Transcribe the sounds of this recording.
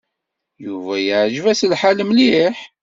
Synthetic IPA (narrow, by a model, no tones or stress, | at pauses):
juvæjəʕʒvæslħaləmliħ